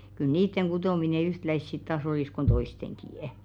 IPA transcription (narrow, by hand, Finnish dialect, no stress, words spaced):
kyl niːtːeŋ ɡ̊utoˑmine yhtlæis sit tɑːs oliˑs kon toisteŋkiˑə̆